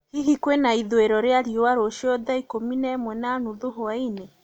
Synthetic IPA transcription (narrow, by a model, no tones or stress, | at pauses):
hiɦikwenaiðweɾɔɾeaɾiowaɾoʃɔðaikominɛmwɛnanuðoɦoaine